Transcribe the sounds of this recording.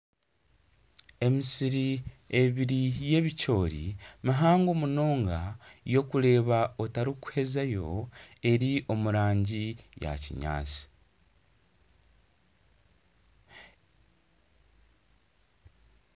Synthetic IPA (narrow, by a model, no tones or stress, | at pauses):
e̞misiɾi | e̞βiɾije̞βico̞ːɾḭmiɦaːŋɡomuno̞ːŋɡajo̞kuɾe̞ːβaotaɾiku̥he̞zajo̞̰e̞ɾiʔo̞muɾaːɲɟija̰cḭɲa̰ːt͡si̥